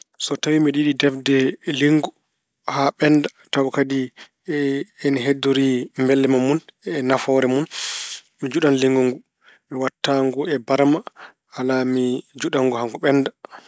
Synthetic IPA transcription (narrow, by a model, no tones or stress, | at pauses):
sɔtawimɛɗiɗidɛfdɛliŋɡu | haɓɛnda | tawkadi | ɛnɦɛdːoɾimbɛlːɛmamunɛnafɔɾɛmun | mid͡ʒuɗanliŋɡuŋɡu | miwatːaŋɡɔɛbaɾma | halamid͡ʒuɗaŋɡɔhaŋɡɔɓɛnda